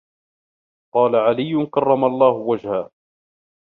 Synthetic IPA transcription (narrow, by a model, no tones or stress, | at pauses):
qɑːlaʕalɪjːʊnkɑrˤːɑmalˤːɑːhʊwad͡ʒhaː